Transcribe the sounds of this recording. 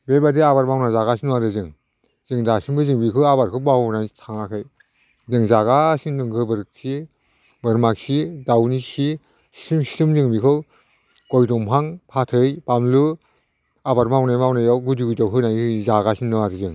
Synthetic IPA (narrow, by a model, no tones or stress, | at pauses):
bebadiabaɾmawnazaɣasinuwaɾɯzɯŋ | z̥ɯŋdasiŋbɯzɯŋbikʰɯabaɾkʰɯbawnatʰaŋakʰɯj | dɯŋzaɡasiŋdɯŋkʰɯbɯɾk̚si | bɯɾmaksidawnisi | si̥timsi̥tɯmzɯŋbikʰɯw | kɔjdɔŋpʰaŋpʰatʰɯjbamlu | abaɾmawnajmawnajawɡudiɡutɔwɦʰɯnajɯzaɡasinnɔwaɾɯzɯŋ